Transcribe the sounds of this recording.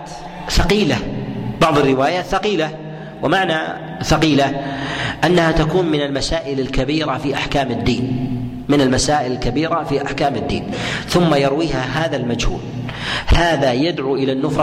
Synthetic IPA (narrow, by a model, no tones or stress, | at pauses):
t̪ | fɑqiːlab̥ɑʕðˤɑrːɪwaːjaːt̪θaqiːla | wɪmaʕna̰ | fɑqiːla | ʔanːahat̪akuːnmɪnalmasaːʔɪlalkabiːɾafiːʔaħkaːmɪd̪ːiːn | mɪnalmasaːʔɪlɪlkabiːɾafiʔaħkaːmɪd̪ːḭːn | θʊmːajɑɾwiːhaɦaːðalmad͡ʒhṵːl | haːðajad̪ʕuːʔɪlanːʊfɾˤ